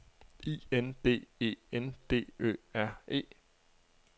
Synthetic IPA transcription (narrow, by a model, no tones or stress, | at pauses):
ḭːend̥e̝̰ːe̝̰ːend̥e̝̰ːø̰ːæɐ̰e̝̰ː